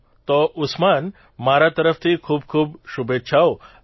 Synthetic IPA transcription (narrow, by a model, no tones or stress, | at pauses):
t̪ɔʔʊsman | maɾat̪əɾəft̪ʰikʰuːbkʰuːbʃubet̪ːʃʰao